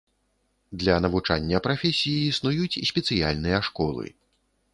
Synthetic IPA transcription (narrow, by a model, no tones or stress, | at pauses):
d̪lʲɐnɐvut͡ʂa̰nʲːɐpɾafʲɛsʲijiːsnujut͡sʲisʲpʲɛt̪sɨja̰lʲnɨjɐʂkɔlˠɨ̰